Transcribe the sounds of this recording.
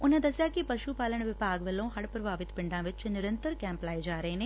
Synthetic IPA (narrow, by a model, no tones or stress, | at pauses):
ʊnẽːd̪ɐsjaːkipɐʃupaːləɽ̃ʋɪpaːɡʋəlːõːɦɐɽpɾəbʱaːʋɪt̪pɪ̃ɳɖãːʋɪt͡ʃnɪɾənt̪əɾkɛ̃ːmplaːed͡ʒaːɾəɦeneː